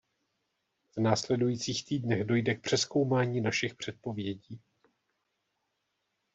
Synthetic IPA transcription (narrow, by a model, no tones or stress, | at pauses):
vnaːslɛdujiːt͡siːxt̪iːdnɛɣdo̞jdɛk̚pr̝̥ɛsko̞wmaːɲiːnaʃɪxpr̝̥ɛt̪̚po̞vjɛɟiː